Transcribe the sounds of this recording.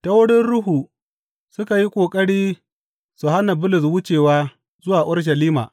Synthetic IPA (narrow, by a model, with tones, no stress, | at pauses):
ta˦wʊ˦ɽɪ˦nɽʊ˦ɦuː˨ | sʊ˦ka˨ji˦kʷʼoː˨kʼɐ˦ɽiː˦ | su˨ha˦na˨bʊ˦lʊ˨s̬wʊ˦t͡ʃeː˨waː˦ | zʊ˦waː˨ʔʊ˦rʃ̬ɐ˨liː˦ma̰ː˨